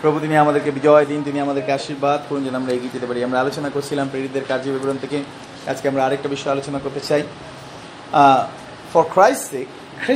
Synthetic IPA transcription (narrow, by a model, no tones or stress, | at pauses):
pɾobʱut̪̬imiamad̪eɾkebid͡ʑɔed̪int̪imiamad̪eɾkeaʃiɾbad̪koɾnd͡ʑonamɾaeɡied͡ʑet̪epaɾiamɾaalot͡ɕonakoɾt͡ɕʰilampɾeɾit̪ːeɾkaɾd͡ʑibeɡuɾont̪ʰeke | a̰d͡ʑkeamɾaaɾek̚ʈabiʃːɔealot͡ɕonakoɾt̪et͡ɕaj | fɔɾkɾajssek | kʰɾ